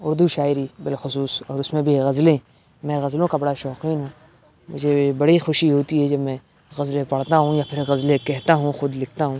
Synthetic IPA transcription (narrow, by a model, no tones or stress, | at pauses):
ʊɾd̪uʃaːɪɾibɪlxʊsuːsɔːɾʊsmẽbʱiɣɐzlẽ | mɛ̃ɣɐzlõkabɐɽaʃɔːqiːnɦũː | mʊ̰d͡ʒʱebɐɽixʊʃiɦoːt̪iɦɛd͡ʒɐbmɛ̃ː | ɣɐzlepɐɽ̤t̪aɦũjapʰɪɾɣɐzlekɛɦt̪aɦũxʊd̪lɪk̚ʰt̪aɦũ